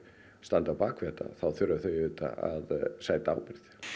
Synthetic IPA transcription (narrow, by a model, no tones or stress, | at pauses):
st̪ant̪awpaːkʰvɛːt̪a̰θawθʏɾaθœjʏt̪a̰aðsaːjt̪aa̰ːwpɪɾθ